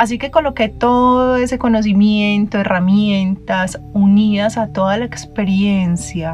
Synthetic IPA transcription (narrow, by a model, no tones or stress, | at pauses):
as̬ike̞ko̞lo̞ke̞t̪o̞ðoe̞se̞ko̞no̞s̬imje̞nt̪oe̞ramje̞nt̪asuniðasat̪o̞ðalaekspe̞ɾje̞nsja